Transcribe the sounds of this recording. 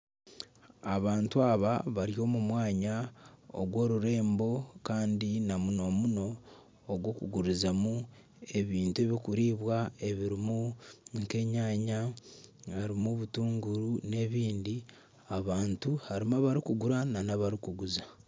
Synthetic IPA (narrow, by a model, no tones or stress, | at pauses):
aβaːntuaːβaβaɾijo̞ːmumwaːɲao̰ɾwo̞ːɾuɾe̞ːmbo̞kaːndinamuno̞muno̞ː | ɡwo̞kuɡuɾizamu | e̞βiːntue̞βikuɾiːβwae̞βiɾimuŋke̞ɲaːɲa | haɾimuβutuːŋɡuɾune̞βiːndi | aβaːntuhaɾimaβaɾikuɡuɾananaβaɾikuɡuza